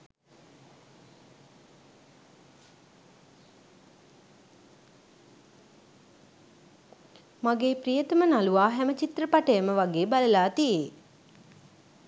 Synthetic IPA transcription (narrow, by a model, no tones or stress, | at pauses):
maɡeːprijət̪əmənaluʋaːɦɛmət͡ʃit̪ɾəpaʈəjəməʋaɡeːbaləlaːt̪ijeː